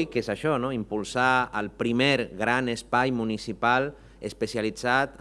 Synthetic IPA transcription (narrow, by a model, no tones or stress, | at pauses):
ikezaʃɔnoimpulˠsaəlˠpɾimeɾɣɾanəspajmunisipalˠ | əspəsialid͡zat̪